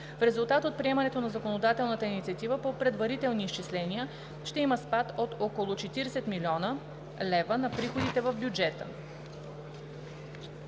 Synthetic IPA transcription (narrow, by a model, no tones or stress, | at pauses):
fɾɛzulˠt̪at̪ot̪̚pɾiɛmənɛt̪onɐzɐkonod̪at̪ɛlˠnət̪əinit̪siɐt̪ivəpopɾɛd̪vɐɾit̪ɛlˠniːst͡ʃislɛniə | ʃt̪ɛiməspat̪ot̪okolˠot͡ʃɛt̪iɾɛsɛt̪milʲiɔnə | lɛvənɐpɾixod̪it̪ɛvəvbjud͡ʒɛt̪ə̰